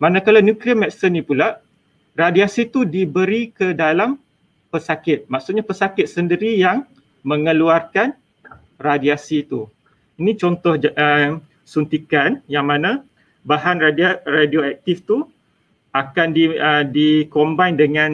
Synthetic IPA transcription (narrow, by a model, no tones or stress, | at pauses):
manãkalawnjũkɾiamɛksənĩpulaʔ | radiasit̪udibəɾikədalam | pəsakɪt̪̚maksut̪̚ɲapəsakɪt̪̚səndiɾijaŋ | mə̃ŋəluarkan | radiasit̪u | inĩt͡ʃɔnt̪ɔhə | sunt̪ikanjaŋmãnã | baɦanradradioɛk̚t̪ift̪u | akandiədikombajndəŋãn